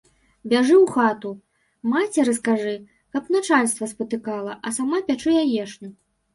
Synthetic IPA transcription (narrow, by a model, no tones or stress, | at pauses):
bʲaʐɨwxat̪u | mat͡sʲɛɾɐskaʐɨ | kɐpnat͡ʂalʲst̪vɐspɐt̪ɨkalˠɐʔɐsamapʲat͡ʂɨjajɛʂnʲu